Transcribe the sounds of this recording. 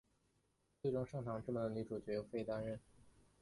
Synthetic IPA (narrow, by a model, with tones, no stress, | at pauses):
t͡swe˥˩ɪʈ͡ʂʊ˥ŋʂɑ˥˩ŋʈ͡ʂʰɑ˧˥ŋʈ͡ʂ̩˥˩mə˧˩nə˧li˧˥˩ʈ͡ʂʰu˨˩t͡ɕɥɛ˧˥jo˨˩ʊfe˥˧ɪt̪a˥nɻə˥˩n